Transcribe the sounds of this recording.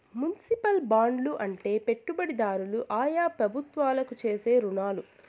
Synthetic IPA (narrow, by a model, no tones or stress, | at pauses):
munsipɐlbaːɳɖluʔɐɳʈe̞ːpe̞ʈːubɐɽid̪aːɾuluʔaːjaːpɾɐbʱut̪ʋaːlɐkut͡ʃe̞ːse̞ːɾunaːlu